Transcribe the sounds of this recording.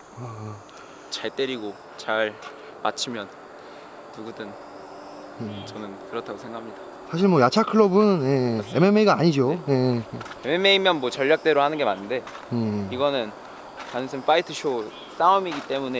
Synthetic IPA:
a | t͡ɕaɭt͈e̞ɾiɡo | t͡ɕaɭ | ma̰t͡ɕʰimjʌnː | uɡudɯn | jet͡ɕʌnɯnkɯɾʌtʰaɡosʰeŋɡakʰhamɲida | sʰaɕʰiɭmwʌjat͡ɕʰakʰɯɭʌbɯnje̞ememeiɡaaɲid͡ʑoje̞ | eme̞me̞imjʌnmwʌt͡ɕʌʎːak̚t͈e̞ɾohanɯnɡe̞manːɯnde̞ | jeiɡʌnɯn | manɯnsʰɯmfaitʰɯɕʰo | s͈aumiɡit͈e̞mune̞

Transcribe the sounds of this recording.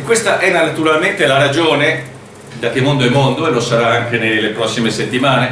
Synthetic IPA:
kːwest̪aʔɛnaat̪uɾalment̪elaɾad͡ʒoːne | d̪ak̟ːemːond̪oɛmond̪oelːosaɾaaŋk̟enelːepɾɔsːimeset̪ːimaːne

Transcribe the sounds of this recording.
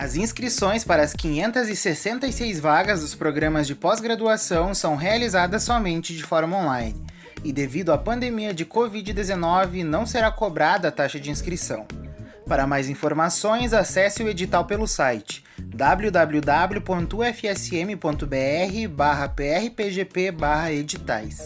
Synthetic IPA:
ɐzĩskɾisõj̃spaɾɐːskĩɲẽnt̪ɐzɪsesẽnt̪ɐisejzvaɡɐzd̪ʊspɾoɡɾɐ̃mɐzd͡ʒɪpɔzɡɾad̪uasɐ̃w̃sɐ̃w̃ɦealizad̪ɐsːɔmẽnt͡ʃɪd͡ʒɪfɔɾmɐõlajnɪ | ɪd̪evid̪ʊapɐ̃nd̪emiɐd͡ʒɪkovid͡ʒɪd̪ezenɔvɪnɐ̃w̃seɾakobɾad̪ɐːt̪aʃɐd͡ʒɪĩskɾisɐ̰̃w̃ | paɾɐmajzĩfoɾmasõj̃zasɛsɪʊed͡ʒit̪awpelʊsajt͡ʃɪ̥d̪ablʊd̪abljud̪abljʊpõnt̪ʊuɛfɪɛsɪẽmɪpõnt̪ʊbeɛɦɪbaɦɐpeɛhɪpeʒepebaɦɐed͡ʒit̪a̰js

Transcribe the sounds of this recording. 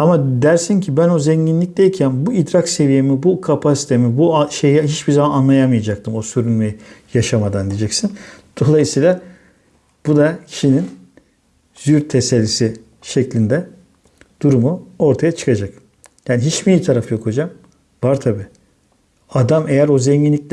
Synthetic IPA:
amad̪æɾsiɲcʰibæno̞zɛɲɟinlʲic̚d̪ʲejicʰænbuid̪ɾakse̞vijemibukʰapʰasi̥t̪ʰe̞mibuʃejɛɦit͡ʃbizamananlˠajamɯjad͡ʒak̚t̪ʰɯmo̞syɾynmejijaʃamad̪and̪ijd͡ʒɛcsind̪̥o̞lˠajɯsiːlˠa | b̥ud̪acʰiʃinin | z̥yɾt̪ʰeselʲːisi | ʃɛclʲind̪ɛ | d̪̥uɾumuo̞ɾt̪ʰajat͡ʃʰɯ̥kʰad͡ʒak | jaːniɦit͡ʃmijit̪ʰaɾafɯjo̞kʰod͡ʒam | vaɾt̪ʰabiː | ad̪amejæɾo̞zɛɲɟinlʲicʲlʲ

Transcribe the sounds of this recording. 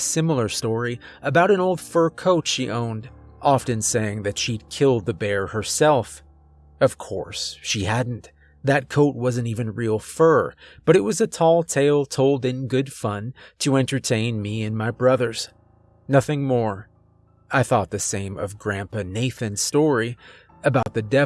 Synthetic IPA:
sɪ̃ml̩ˠə˞stɔɹiɨbaʊɾɨ̃noʊlˠd̥fɜ˞kʰoʊtʃiʔõʊ̃ndʔɑfɨ̃nseɪɪ̃ŋðɨtʃid̚kʰɪlˠd̪̚ðɨbɛɹhə˞sɛlˠf | ʌv̥kʰɔ̰ɹsʃihædⁿn̩t | ðɨt̚kʰoʊt̚wʌzɨ̃ntivɨ̃nɹilˠfɜ˞b̥ʌɾɨt̚wʌzɨtʰɔlˠtʰeɪlˠtʰoʊlˠdɨ̃nɡʊd̥fʌ̃ntʰɨɛ̃ntə˞tʰẽɪ̃nmiɨ̃nmaɪbɹʌðə˞z̥ | nʌθɪ̃ŋmɔɹ | aɪθɔt̪̚ðɨsẽɪ̃mʌ̰vɡɹæ̃mpɨneɪθɨ̃nstɔɹi | ɨbaʊt̪̚ðɨdɛ

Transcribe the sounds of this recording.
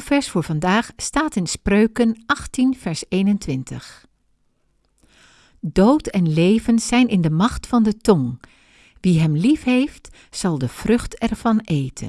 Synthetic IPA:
v̥ɛɹsfʊːɹvɑndaːχstaːtɪnsprøɥkənʔɑχtinv̥ɛɹsejnəntʋɪntə̰χ | dowtɛnlejvənz̥ɛjnɪndəmɑχtfɑndətɔŋ | ʋiɦɛmlifɦejft | z̥ɑlˠdəv̥rɵχtɛɹv̥ɑnejtʰə̰n

